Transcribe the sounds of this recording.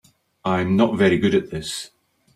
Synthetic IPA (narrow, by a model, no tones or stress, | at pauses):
ãɪ̃mnətvɛɹiɡʊɾɨʔ̪̚ðɪs